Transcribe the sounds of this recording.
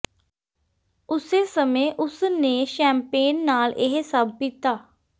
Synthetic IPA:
ʊseːsəmẽːʔʊsneːʃɛ̃ːmpeːnːaːlʔɪɦsəbpit̪aː

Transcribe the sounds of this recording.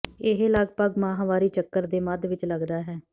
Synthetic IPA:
ɪɦləɡpəɡmãːɦãʋaːɾiːt͡ʃəkːəɾd̪eːməd̪ʋɪt͡ʃləɡd̪aːɦɛː

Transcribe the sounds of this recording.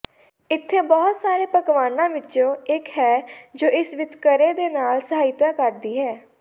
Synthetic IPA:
ɪt̪ʰːeːbɔːt̪saːɾeːpəkʋaːnãːʋɪtːʃõːɪkɦɛːd͡ʒoːʔɪsʋɪt̪kəɾeːd̪eːnaːlsəɦaːɪt̪aːkəɾd̪iːɦɛː

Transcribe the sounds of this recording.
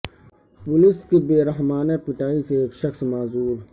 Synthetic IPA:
pʊlɪskebeːɾəɦmaːnepɪʈaːiseːkʃɐxsmaːzuːɾ

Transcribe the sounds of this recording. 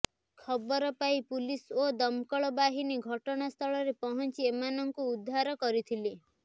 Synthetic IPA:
kʰɔbɔɾɔpaipulisod̪ɔmkɔɭɔbaɦiniɡʱɔʈɔɽ̃ast̪ʰɔɭɔɾepɔɦɔnt͡ʃiemanɔŋkuud̪ʱːaɾɔkɔɾit̪ʰili

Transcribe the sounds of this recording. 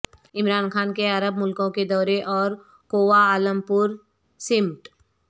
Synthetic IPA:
ɪmɾaːnxaːnkeɐɾəbmʊlkõked̪ɔːɾeʔɔːɾ | koːʋaaːlə̃mpʊɾ | sɪmʈ

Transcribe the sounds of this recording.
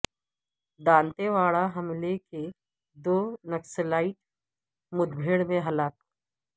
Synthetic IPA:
d̪ãːnt̪eʋaːɭaɦɐmleke | d̪oːnɐkslaːɪʈ̚ | mʊd̪bʱeːɽmẽɦɐlaːk̚

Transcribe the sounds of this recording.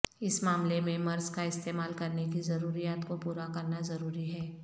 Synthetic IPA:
ɪsmaːmlemẽmɐɾskaɪst̪eːmaːlkɐɾnekizɐɾuːɾijaːt̪kopuːɾakɐɾnazɐɾuːɾiɦɛː

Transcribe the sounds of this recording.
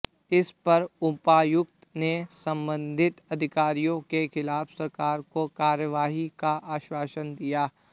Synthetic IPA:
ɪspɐɾʊpaːjʊkt̪nesɐ̃mbə̃nd̪ʱɪt̪ɐd̪ʱɪkaːɾijõkexɪlaːfsɐɾkaːɾkokaːɾjəʋaːɦikaʔaːʃwaːʃənd̪ijaː

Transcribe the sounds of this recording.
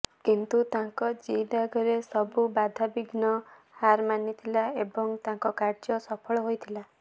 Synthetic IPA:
kint̪ut̪ãŋkɔd͡ʒid̪aɡʱɔɾesɔbubad̪ʱabiɡnɔ | haɾmanit̪ʰilaebɔŋt̪ãŋkɔkaɾd͡ʒɔsɔpʰɔɭɔɦojt̪ʰila

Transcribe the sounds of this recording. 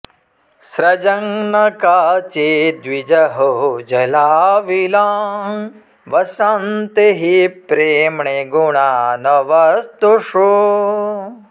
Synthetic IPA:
sɾɐd͡ʒɐŋnɐkaːt͡ʃed̪ʋid͡ʒɐɦod͡ʒɐlaːʋilaːm | ʋɐsɐnt̪eɦipɾeːmɳeɡuɳaːnɐʋɐst̪uʂu

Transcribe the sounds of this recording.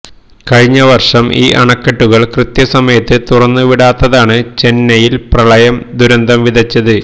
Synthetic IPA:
kɐɻiɲːɐʋɐrʂɐmʔiːʔɐɳɐkːɐʈːuɣɐɭkrɨt̪jɐsɐmɐjɐt̪ːɨt̪urɐnːuʋiɽaːt̪ːɐðaːɳɨt͡ɕe̞nːɐjilprɐɭɐjɐmd̪ʱuɾɐnd̪ʱɐmʋid̪ʱɐt͡ɕːɐðɨ

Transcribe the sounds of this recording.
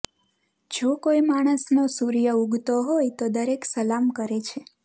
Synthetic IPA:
d͡ʒokoimaɽ̃əsnosuɾijəuɡʱt̪oɦojt̪od̪əɾeksəlamkəɾet͡ʃʰe

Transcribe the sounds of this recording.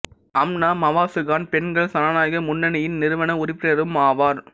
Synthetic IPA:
ɐmnaːmɐʋaːsɯɣaːnpɛnɡɐɭsɐnaːnaːjɣɐmʊnːɐnɐjɪnnɪɾɯʋɐnɐʊɾɪpːɪɾɐɾɯmaːʋaːɾ

